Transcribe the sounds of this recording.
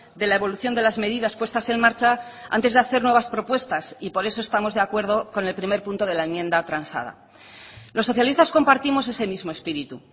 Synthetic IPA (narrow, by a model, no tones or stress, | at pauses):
d̪e̞laeβo̞luθjo̞nd̪e̞lazme̞ðiðaspwe̞st̪ase̞nmaɾt͡ʃaa̰nt̪e̞zðeaθe̞ɾnwe̞βaspɾo̞pwe̞st̪asipo̞ɾe̞so̞est̪amo̞zðe̞akwe̞ɾð̞o̞ko̞ne̞lpɾime̞ɾpunt̪o̞ðe̞laenmje̞nd̪at̪ɾansa̰ða̰ | lo̞sːo̞θjalist̪asko̞mpaɾt̪imo̞s̬e̞se̞mizmo̞e̞spiɾit̪u